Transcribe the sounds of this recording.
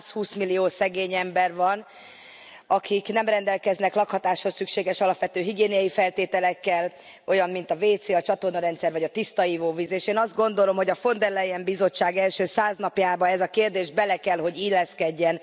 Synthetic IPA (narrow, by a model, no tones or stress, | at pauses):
shuːsmilːioːsɛɡeːɲɛmbɛrvɒn | ɒkʰiknɛmrɛnd̪ɛlkɛznɛklɒkhɒt̪aːʃho̞sykʃeːɡɛʃɒlɒpʋɛt̪øːɦiɡeːnijɒjifɛlt̪eːt̪ɛlɛkːɛl | o̞jɒmmint̪ɒveːt̪seːɒt͡ʃɒt̪o̞rnɒɾɛnt̪sɛrvɒɟɒt̪ist̪ɒiːvoːvizeːʃeːnɒzd̪̚ɡo̞nd̪o̞lo̞mho̞ɟɒfo̞nd̪ɛrlɛjɛmbizo̞t͡ʃːaːɡɛlʃøːsaːznɒpjaːbɒɛzɒkeːrd̪eːʒbɛlɛkɛlɦo̞ɟilːɛskɛɟːɛn